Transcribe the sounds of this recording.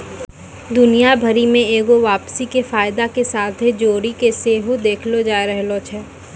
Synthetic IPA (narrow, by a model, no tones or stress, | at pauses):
d̪ʊnijabʱəɾimẽeːɡoʋaːpsikefaːjd̪akesaːt̪ʰɦed͡ʒoːɾikeseːɦod̪eːkʰlod͡ʒaːeɾɛɦlot͡ʃʰɛː